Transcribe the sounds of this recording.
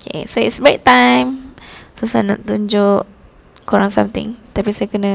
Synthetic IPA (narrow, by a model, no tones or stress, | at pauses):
okʰḛsoitsbek̚t̪ãjmsosajnã̰ʔt̪uɲd͡ʒʊʔ | kuɾaŋsã̰mt̪ɪ̰̃ŋt̪apisajakənə̃